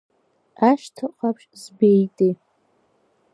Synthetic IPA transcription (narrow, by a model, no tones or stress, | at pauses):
aʃtʰɨqʰapʰʃzbejtʼe